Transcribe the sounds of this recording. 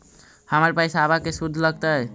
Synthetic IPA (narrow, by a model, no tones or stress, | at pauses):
həməɾpəjsaːβakesud̪ʱləɡt̪ə